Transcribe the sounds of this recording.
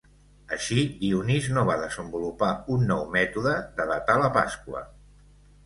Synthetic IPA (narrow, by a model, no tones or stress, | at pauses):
əʃidiuniznoβaðəzəmbulupaunːɔwmɛt̪uðəd̪əðət̪aləpa̰skwə̰